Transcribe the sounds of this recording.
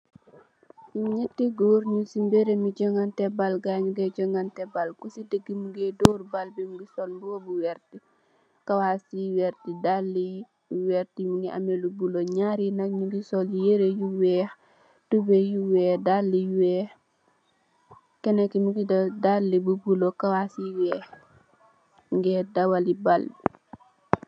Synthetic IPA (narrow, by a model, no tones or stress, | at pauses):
ɲɛtːiɡoːɾɲusimbeɾemiɟɔŋɡantɛbalɡaɲuɡɛɟɔŋɡantɛbalkusidəɡːimuɡɛdɔːɾbalbimuɡisɔlbuobuwɛɾti | kɐwasiwɛɾtidalːi | wɛɾtimuɡia̰melubuloɲaɾinakɲuɡisɔlijeɾejuwɛːx | tubejuwɛːdalːiwɛ | kɛnekimuɡidalːibubulokawasiwɛːx | ŋɡɛdawalibalbi